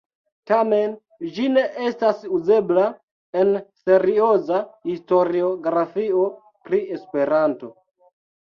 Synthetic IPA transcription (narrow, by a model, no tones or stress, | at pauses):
tame̞n | d͡ʒine̞ʔe̞stasuze̞bla | e̞nse̞ɾio̞zahisto̞ɾio̞ɡɾafio̞ | pɾie̞spe̞ɾanto